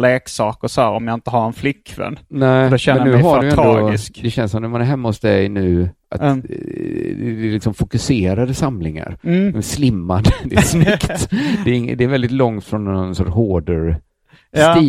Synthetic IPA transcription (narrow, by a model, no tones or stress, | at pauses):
leːksɑːkəsɔæːɾɔmjaɪnt̪əɦaɾɛnflɪkʰːvɛ̰nnɛɪd̪ɔɛmɛnʉːɦaɖ̪ʉj̪ɛnɔɪskd̪ɛɕɛnsɔmnæmanɛɾɦɛmːahʊsd̪ɛjnʉ̟ːʔa̰t̪ | d̪ɛɛlɪksɔmfʊkɵseːɾad̪əsamlɪŋa̰ɾɛnslɪmːand̪əd̪ɛsnɪkt̪d̪ɛɾɪŋ̰ːd̪ɛːɾvɛld̪ɪt̪lɔŋt̪fɾɔnːnsɔɦoːɖəɾ | st̪iː